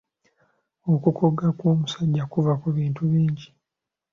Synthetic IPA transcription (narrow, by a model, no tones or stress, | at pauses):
o̞kukʰoɡakoːmusaɟːakuvakuβiːntuβiːɲɟi